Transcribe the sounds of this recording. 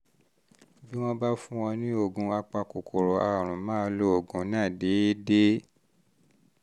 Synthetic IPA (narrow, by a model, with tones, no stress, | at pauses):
bi˦w̃ɔ̃˦ba˦fũ˦w̃ɔ̃˧nĩ˦o˦˨ɡũ˧˦a˧k͡pa˧ko˨kʰo˨ɾo˨a˨ɾ̃ũ˨mãː˦˧˦lo˦o˨ɡũ˨˦nãː˦˨de˨˦de˦